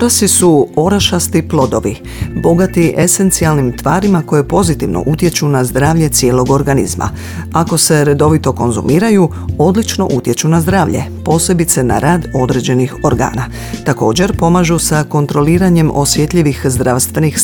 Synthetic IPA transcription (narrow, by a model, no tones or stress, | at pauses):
oɾasisuo̞ɾaʃast̪iplˠo̞d̪o̞ʋi | bo̞ɡat̪iʔese̞nt̪sialnimt̪ʋaːɾimako̞je̞po̞zit̪iʋno̰ʔut̪je̞t͡ʃunazd̪ɾaːʋʎe̞t̪sje̞ːlo̞ɡo̞ɾɡanḭzma̰ | ako̞se̞ɾe̞d̪o̞ʋit̪o̞ko̞̰nzṵmiːɾaju | o̞d̪lit͡ʃno̞̰ʔut̪je̞t͡ʃunazd̪ɾaːʋʎe̞̰po̞ːse̞bit̪se̞na̰ɾaːd̪o̞d̪ɾe̞d͡ʑe̞nixoɾɡa̰ːna | t̪ako̞ːd͡ʑe̞ɾpo̞maʒusako̞nt̪ɾo̞liːɾaɲe̞mʔo̞sje̞t̪ʎiʋixzd̪ɾaːʋst̪ʋe̞nix